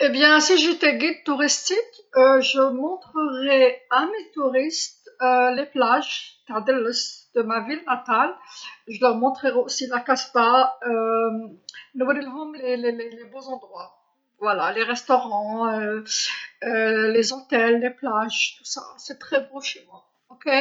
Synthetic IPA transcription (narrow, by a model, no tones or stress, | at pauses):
ebjɛ̃siʒet̪ɛɡid̪̚t̪uʁist̪ik | øʒəmɔ̃t̪χəʁɛamet̪uʁist̪øleplaʒt̪aʁd̪ɛlɔsd̪̥əmavilnat̪alʒəlœʁmɔ̃t̪χəʁɛosilakaspaø | nəwad̪ɛlɦɔmlelelelebozɑ̃d̪ʁwa | vwalaleʁɛst̪ɔʁɑ̃ø | ølezot̪ɛlːeplaʒt̪u̥sa̰sɛt̪χɛboʃemwa | ɔke